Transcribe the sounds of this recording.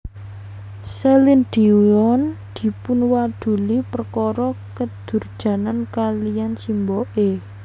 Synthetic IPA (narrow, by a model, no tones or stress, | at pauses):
sɛlind̪̥iɔn | d̪̥i̤pʊnwad̪̥ṳlipərkɔɾɔkəd̪̥ṳrd̥ʒ̥ä̤nankalijansimbɔʔe